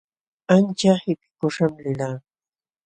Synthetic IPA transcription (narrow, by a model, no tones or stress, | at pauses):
ant͡ʃahɪpɪ̥kʊʂamlɪlaː